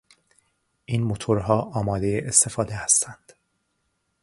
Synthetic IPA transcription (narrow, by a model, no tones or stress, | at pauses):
ʔiːnmot̪ʰoɾɦɒːʔɒːmɒːd̪e̞jeʔest̪e̞fɒːd̪ehæst̪ʰænd̪̥